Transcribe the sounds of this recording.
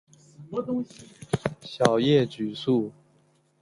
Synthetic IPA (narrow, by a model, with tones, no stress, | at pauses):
t̪ʊ˥ŋɕi˨˧ɕjɑ˨˩ʊjɛ˥˩t͡ɕy˨˩su˥˩